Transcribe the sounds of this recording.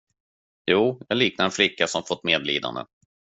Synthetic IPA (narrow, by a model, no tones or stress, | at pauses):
juːjɑːɡliːk̚naɾɛnflɪkːasɔmafɔt̪ːmeːd̪lḭːd̪a̰nd̪ə̰